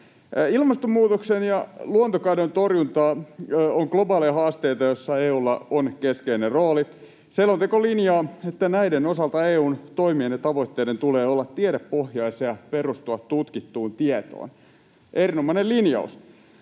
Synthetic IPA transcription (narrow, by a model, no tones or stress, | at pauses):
ilmɑst̪omːuːt̪oksenjɑluont̪okɑidont̪orjunt̪ɑːoŋklobɑːliɑhɑːst̪eit̪ɑjosːɑeːuːlːɑ̰onkeskeineroːlit̪ | selːont̪ekolinjɑːet̪ːænæidenosɑlt̪ɑeːuːnt̪o̞imienet̪ɑʋo̞it̪ːeːdent̪uleːolːɑt̪ːieɾeppohjɑiseɑperust̪uɑt̪t̪ut̪kit̪ːuːnt̪iet̪o̰ːn | ʔerinomɑinelinjɑ̰ṵs